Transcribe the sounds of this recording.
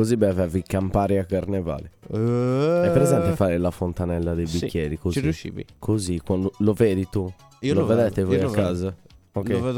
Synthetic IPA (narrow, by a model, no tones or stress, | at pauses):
kozibɛvɛvikampaːɾiakːaɾnɛva̰ːli | ɛpːɾɛzɛnt̪ɛfaːɾɛlafont̪anɛlːad̪ejbikːjeːɾikoziiuʃːḭːvḭkʰozikwand̪olɔveːðit̪u | ilɔɔvɛdðɛt̪ɛvɔjakːaːza | okɛvɛ